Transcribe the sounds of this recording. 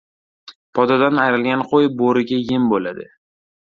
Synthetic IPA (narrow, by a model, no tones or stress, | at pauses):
pʰɒd̪ɒd̪anajɾɪlɡʲanqʰojboɾɪɡʲajɪmbolad̪ɪ